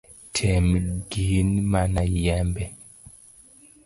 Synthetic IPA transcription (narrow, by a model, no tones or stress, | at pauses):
tʰɛmɡinmanajɛmbɛ